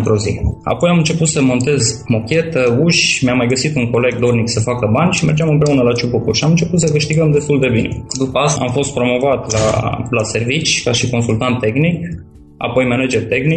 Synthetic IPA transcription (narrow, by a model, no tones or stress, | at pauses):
nt̪ɾo̞zia̰po̞jamɨnt͡ʃe̞put̪səmo̞nt̪e̞zmo̞kʲe̞t̪əuʃʲmjamːajɡəsit̪uŋko̞le̞ɡ̚d̪o̞rniksəfakəbanʲʃime̞rd͡ʒeamɨnpɾe̞unəlat͡ʃupukurʃiamɨnt͡ʃe̞put̪səkɨʃt̪iɡəmd̪e̞st̪uld̪e̞bine̞̰d̪upəast̪aa̰mfo̞st̪̚pɾo̞mo̞vat̪la̰lase̞rvit͡ʃʲkaʃiko̞nsult̪ant̪ːe̞xnik | a̰po̞jmened͡ʒert̪e̞xni